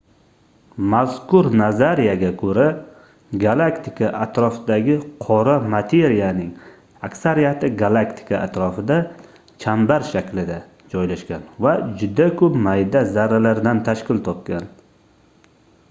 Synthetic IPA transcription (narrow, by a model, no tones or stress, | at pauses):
mazkʰʊɾnazaɾijaɡʲakʰɵɾa | ɡalˠakt̪ʰɪkʰaʔat̪ɾɒfɪd̪aɡʲɪqʰɒɾamat̪ʰe̞ɾijanɪŋ | akʲsaɾijat̪ʰɪɡalˠakt̪ʰɪ̥kʰaat̪ɾɒfɪd̪a | t͡ʃʰambaɾʃakʲlɪd̪a | d͡ʒɒjlaʃkʲanvad͡ʒʊd̪akʰɵpmajd̪azaɾalaɾd̪ant̪ʰaʃkʲɪlt̪ʰɒp̚kʲan